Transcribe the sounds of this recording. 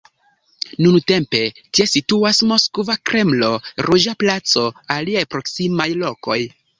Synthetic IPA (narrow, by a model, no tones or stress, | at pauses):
nunte̞mpe̞tie̞situasmo̞skvakɾʔe̞mlo̞ɾud͡ʒaplat͡so̞aliajpɾo̞ksimajlo̞ko̞j